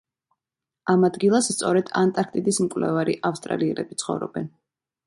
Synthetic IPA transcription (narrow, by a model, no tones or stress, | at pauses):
amad̪ɡilˠasst̪sʼɔɾɛd̪̥ant̪ʼaɾk̚ʰt̪ʼid̪ismkʼvlɛ̰vaɾiʔafst̪ʼɾa̰liɛɾɛbit̪sʰχɔ̰vɾɔ̰bɛn